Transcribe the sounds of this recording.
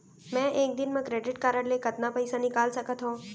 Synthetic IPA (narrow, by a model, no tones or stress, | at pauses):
mɛ̃ʔek̚d̪ɪnmãkɾeɖɪʈkaɾəɽlekət̪napəjsanɪkalsəkət̪ɦõ